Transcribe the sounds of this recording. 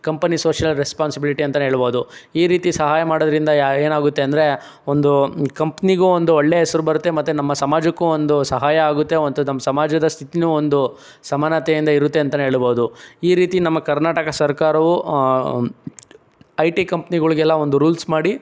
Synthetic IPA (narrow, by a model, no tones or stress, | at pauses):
kɐmpɐniso̞ːʂjɐlɾespaːnsibiliʈiɐnt̪ɐneɦeːɭboːud̪uiːɾiːt̪isɐɦaːjɐmaːɽod̪ɐɾind̪ɐeːnaːɡut̪ːeɐnd̪ɐɾe̞ | o̞nd̪ukɐmpniɡuːond̪uɔɭːeɦɛsɐɾubɐɾut̪ːe̞mɐt̪ːunɐmːɐsɐmaːd͡ʒɐkːuond̪usɐɦaːjɐaːɡut̪ːe̞ont̪unɐmːɐsɐmaːd͡ʒɐd̪ɐst̪ʰit̪inuːond̪u | sɐmaːnɐt̪eind̪ɐiɾut̪ːe̞ɐnt̪̬ɐneɦeːɭboːd̪uiːɾiːt̪inɐmːɐkɐɾnaːʈɐkɐsɐɾkaːɾɐʋu | ɐjʈikɐmpniɡɐɭuɡɛlːɐo̞nd̪uɾuːlsmaːɽi